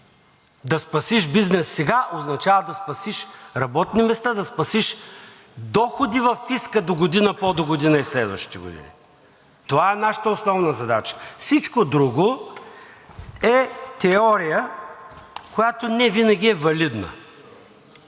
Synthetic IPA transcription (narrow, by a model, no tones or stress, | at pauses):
d̪ɐspɐsiʃbiznɛsːɛɡaʔoznɐt͡ʃavəd̪ɐspɐsiʃɾɐbɔt̪nimɛst̪ad̪ɐspɐsiʃ | d̪ɔxod̪ivɐfːiskəd̪oɡod̪inəpɔd̪oɡod̪inəislɛd̪vɐ̰ʃt̪i̥t̪ɛɡo̰d̪ḭnʲḭ | t̪ovaɛnaʃə̥t̪əosnɔvnəzɐd̪at͡ʃə̥fsit͡ʃkod̪ɾuɡo | ɛt̪ɛɔɾijə | kojat̪onɛvinɐɡʲiɛvɐlid̪nə̰